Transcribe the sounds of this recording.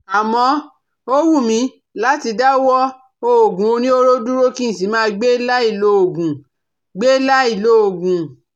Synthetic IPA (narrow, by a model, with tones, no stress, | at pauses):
a˨mɔ̃˧ | o˦wu˦˨mĩ˧ | la˦ti˧da˦wɔ˦ | o˧o˨ɡũ˨o˧nĩ˦o˦ɾo˦du˦ɾo˦kĩ˦ĩ˨si˨˦mãː˦˧ɡ͡be˦la˦i˦˨lo˦o˨ɡũ˨ | ɡ͡be˦la˦i˦˨lo˦o˨ɡũ˨